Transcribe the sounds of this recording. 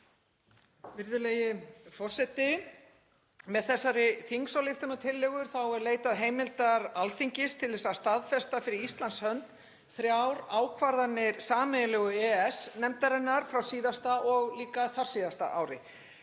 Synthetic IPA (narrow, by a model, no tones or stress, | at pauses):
vɪɾðʏleːjɪfɔr̥sɛt̪ɪ | mɛðθɛsːaɾɪθiŋksawlɪxt̪anɔt̪ʰɪlːɛɣʏɾ̥θawɛɾleːjt̪aðɦeːjmɪlt̪aɾalθiɲcɪst̪ʰɪlθɛsast̪aðfɛst̪afɪɾɪɾist̪lanshœnt̪ | θɾjawɾaːwkʰvaɾðanːɪɾsaːmɛjlɛːɣʏɛɛsnɛmt̪aɾɛnːaɾ̥fɾawsiːðast̪aɔɣliːkaθar̥siːðast̪a̰ʔa̰ːwɾɪ̰